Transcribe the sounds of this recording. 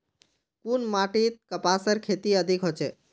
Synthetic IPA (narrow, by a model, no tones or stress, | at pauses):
kunmaʈit̪̚kəpasəɾkʰet̪iəd̪ʱikɦot͡ʃʰe